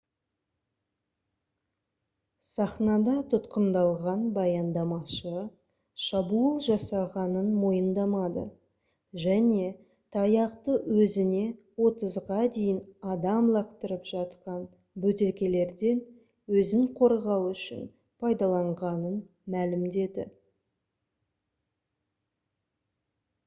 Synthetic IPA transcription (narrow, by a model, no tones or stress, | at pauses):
sɑχnɑd̪ɑt̪ʰʊt̪qənd̪ɑlˠʁɑnbɑjɑnd̪ɑmɑʃə | ʃɑbuəlˠʒɑsɑʁɑnənmo̞jənd̪ɑmɑd̪ə̰ | ʒæne̞ | t̪ʰɑjɑqt̪əwɵzɪne̞ | wo̞t̪əzʁɑd̪e̞jɪnɑd̪ɑmlˠɑqt̪əɾəpʒ̥ɑt̪qɑn | bɵt̪e̞lkʲe̞le̞ɾd̪e̞n | wɵzɪŋqʰo̞ɾʁɑwʏʃɪ̰n | pʰɑjd̪ɑlˠɑɴʁɑnən | mælɪmd̪e̞d̪ɪ̰